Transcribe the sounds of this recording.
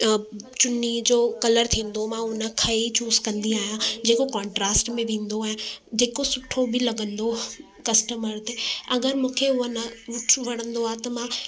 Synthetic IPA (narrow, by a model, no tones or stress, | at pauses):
t͡ɕʊnid͡ʑoːkɐləɾt̪ʰĩːn̆d̪omãʊnə̆kʰɐit͡ɕuːskɐ̃nd̪iaːɦijãd͡ʑeːkokãːɳʈɾaːsʈmẽʋẽːn̆d̪oːɦẽd͡ʑeːkosʊʈʰobɪlɐɡə̃nd̪o | kɐsʈəməɾt̪eɐɡəɾmũːkʰeʊɦənɐʊʈʰʋɐɽ̤̃ə̃nd̪oaːɦt̪ɐmã